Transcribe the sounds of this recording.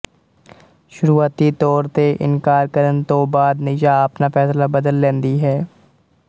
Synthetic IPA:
ʃʊɾuːaːt̪it̪ɔːɾt̪eʔɪ̰nkaːɾkəɾənt̪obaːd̪nɪjaɐpnafɛːslabɐd̪əlːẽːnd̪iɦɛː

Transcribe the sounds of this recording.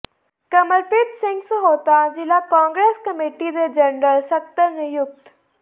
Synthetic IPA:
kɐməɾpɪt̪sɪ̃ŋɡsəɦoːt̪ad͡ʑilakãːŋɡɾeːskɐmeʈid̪ed͡ʑəɳɾəlsɐk̚t̪əɾnijʊk̚t̪

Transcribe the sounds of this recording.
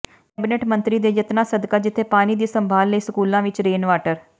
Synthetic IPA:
kɛːbineːʈmə̃nt̪ɾiːd̪eːd͡ʒət̪nãːsəd̪kaːd͡ʒɪt̪ʰːeːpaːniːd̪iːsəmbʱaːlːəiːsəkuːlãːʋɪt͡ʃɾeːnʋaːʈəɾ

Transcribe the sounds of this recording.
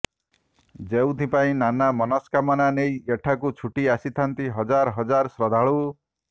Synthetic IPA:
d͡ʒew̃d̪ʰʱĩpaĩnanamɔnɔskamananejeʈʰakut͡ʃʰuʈiasit̪ʰant̪iɦʌd͡ʒaɾɦʌd͡ʒaɾsɾɔd̪ʱaɭu

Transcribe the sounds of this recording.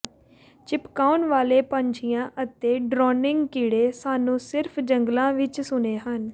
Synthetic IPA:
t͡ʃɪpkaːʊnʋaːleːpəɲt͡ʃʰijãːʔət̪eːɖɾɔːnɪŋɡkiːɽeːsaːnũːsɪɾpʰd͡ʒəŋɡlãːʋɪt͡ʃsʊneːɦən

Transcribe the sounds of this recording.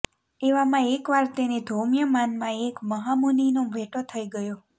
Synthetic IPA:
eʋamãekʋaɾt̪ened̪ʱomjəmanmãekməɦamuninoʋʱeʈot̪ʰəiɡəjo

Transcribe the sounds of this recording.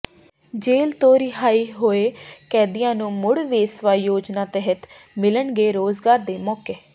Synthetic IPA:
d͡ʒeːlt̪oːɾiːɦaːiːɦoːeːkɛːd̪ijãːnũːmʊɽʋeːsʋaːjoːd͡ʒnaːt̪əɦət̪ | mɪləɳɡeːɾoːzɡaːɾd̪eːmɔːkeː

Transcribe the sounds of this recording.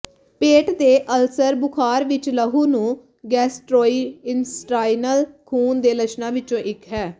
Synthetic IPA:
peːʈd̪eːʔəlsəɾbʊkʰaːɾʋɪt͡ʃləɦuːnũː | ɡɛːsʈɾoːiːɪnsʈaːinəlkʰuːnd̪eːlət͡ʃʰnãːʋɪt͡ʃõːʔɪkɦɛː

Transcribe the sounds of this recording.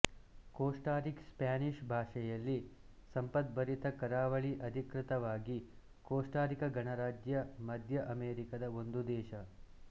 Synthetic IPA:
koːʂʈaːɾikspaːniʂbʱaːʂɐjɐlːisɐmpɐt̪̚bɐɾit̪ɐkɐɾaːʋɐɭiʔɐd̪ʱikɾɪt̪ɐʋaːɡi | koːʂʈaːɾikɐɡɐɳɐɾaːd͡ʒjɐmɐd̪ʱjɐʔɐmeːɾikɐd̪ɐo̞nd̪ud̪ɛːʃɐ

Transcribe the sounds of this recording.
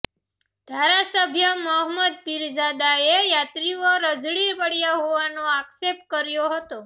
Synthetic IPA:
d̪̥ʱaɾasəbʱjəməɦməd̪̚piɾd͡ʒad̪aejat̪ɾioɾəd͡ʒɭipəɽjaɦoʋanoaksep̚t̚kəɾjoɦət̪o

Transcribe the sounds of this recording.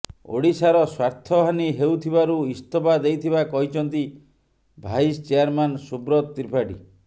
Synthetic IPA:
o̰ɽisaɾɔswaɾt̪ʰɔɦaniɦewt̪ʰibaɾuist̪ʰɔbad̪ejt̪ʰibakɔɦit͡ʃʰɔnt̪̬i | bʱaist͡ʃeaɾmansubɾɔt̪ːiɾpʰaɖḭ

